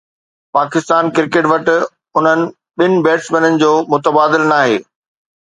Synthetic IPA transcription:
paːkɪst̪aːnkɪɾkeːʈʋɐʈɪ̆ | ʊn̤ənɪ̆ | ɓɪnɪ̆bɛːʈsmẽːnənɪ̆d͡ʑoːmʊt̪əbaːd̪ɪlnaːɦeː

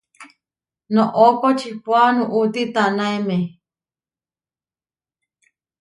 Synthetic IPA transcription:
nõʔokot͡ʃʰipwanũʔut̪it̪anãeme

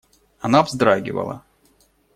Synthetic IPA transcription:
ɐnavzd̪ɾaɡʲɪ̰və̰lˠɐ̰

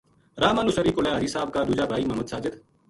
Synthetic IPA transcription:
ɾaːmanʊsəɾiːkoleːaːd͡ʒisaːb̚kaːd̪uːd͡ʒaːbʱaːiːmɐməd̪saːd͡ʒət̪

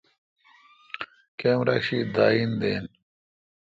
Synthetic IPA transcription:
kemɾɐkɕid̪aːind̪eːn

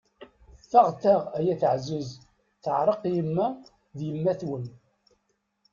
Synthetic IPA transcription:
θaʁt̪æʁæjæθəʕzʊz | θəʕɾˤəqjəmːæ | ðjəmːæθwən

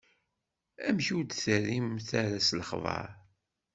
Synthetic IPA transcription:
æmçud̪θərimθæɾæsləχvɑ̰ɾˤ

